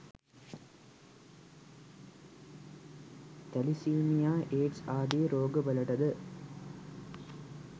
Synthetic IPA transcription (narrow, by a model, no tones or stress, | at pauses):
t̪ɐlisiːnijaːʔeːʈsaːd̪iɾoːɡɨʋɐlɐʈɐðɯ